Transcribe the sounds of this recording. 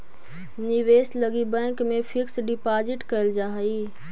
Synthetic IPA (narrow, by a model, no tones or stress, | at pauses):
niʋesləɡibɛ̃ːkmẽpʰɪksɖipad͡ʒɪʈkəɪld͡ʒaɦəi